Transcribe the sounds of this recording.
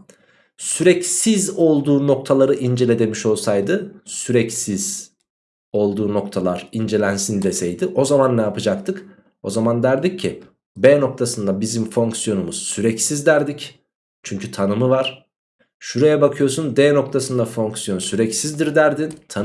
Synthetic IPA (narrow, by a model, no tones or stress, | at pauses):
syɾɛcsizo̞lˠd̪uːno̞k̚t̪ʰalˠaɾɯʔind͡ʒe̞lʲe̞d̪e̞miʃo̞lˠsajd̪ɯsyɾɛcsiz̥ | o̞lˠd̪uːno̞kt̪ʰalˠaɾind͡ʒe̞lʲænsind̪esɛjd̪ɪʔo̞zamanːɛjapɯd͡ʒakt̪ʰɯk | o̞zamand̪æɾd̪icʰːi | bɛːno̞k̚t̪ʰasɯnd̪abizimfo̞ŋksijo̞numuz̥syɾɛcsizd̪æɾd̪ic | t͡ʃʰyɲcʰyt̪ʰanɯmɯvaɾ̥ | ʃuɾajabakʰɯjosunbɛːno̞k̚t̪ʰasɯnd̪afo̞ŋksijo̞nsyɾɛcsizd̪iɾd̪æɾd̪int̪ʰa